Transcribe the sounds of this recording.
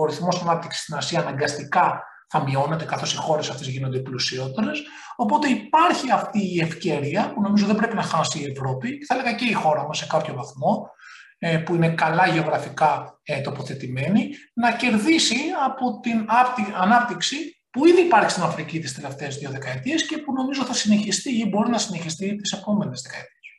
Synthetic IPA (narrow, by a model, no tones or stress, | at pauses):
oɾiθmo̞sɐnɐp̚t̪iksi̥st̪inɐsiɐːnɐŋɡɐst̪ikɐ | θɐmio̞ne̞t̪e̞kɐθo̞sixo̞ɾe̞sɐft̪e̞zʝino̞nd̪e̞plusio̞t̪eɾe̞s | o̞po̞t̪e̞ipɐɾçiɐft̪iːe̞fce̞ɾiɐpuno̞mizo̞ðebɾe̞pinɐxɐsiːe̞vɾo̞piceθɐeleɣɐce̞ixo̞ɾɐmɐsːe̞kɐpço̞vɐθmo̞ | puine̞kɐlɐʝe̞o̞ɣɾɐfikɐt̪o̞po̞θe̞t̪ime̞ninɐce̞ɾðisiɐpo̞t̪inɐt̪ɐnɐp̚t̪iksi | puiðiːpɐɾçist̪inɐfɾicit̪ist̪e̞le̞ft̪eːzðio̞ðe̞kɐe̞t̪iesce̞puno̞mizo̞θɐsine̞çist̪iibo̞ɾinɐsine̞çist̪it̪isepo̞me̞nezðe̞kɐet̪ies